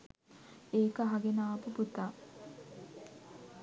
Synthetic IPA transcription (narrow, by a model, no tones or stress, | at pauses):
eːkəɦaɡenaːpuput̪a